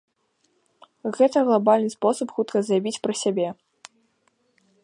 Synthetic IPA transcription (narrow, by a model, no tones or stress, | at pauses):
ɣɛt̪ɐɣlˠabalʲnɨspɔsɐpxut̪kɐzrabʲit͡sʲpɾɐsʲabʲɛ